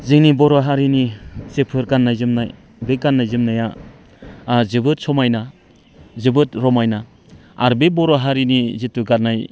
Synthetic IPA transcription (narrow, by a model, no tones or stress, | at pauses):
ziŋnibɔɾaɦaɾinisepʰɯɾkanːajzɯmnaj | beɡanːajzɯmnaja | zɯbɯt̚sɔmajna | zɯbɯtɾɔmajna | aɾbebɔɾaɦaɾinizituɡaɾnaj